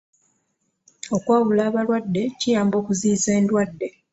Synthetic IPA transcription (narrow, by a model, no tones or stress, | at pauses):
o̞kwaːβulaːβalwadːe̞cijaːmbo̞ːkuziːze̞ːndwadːe̞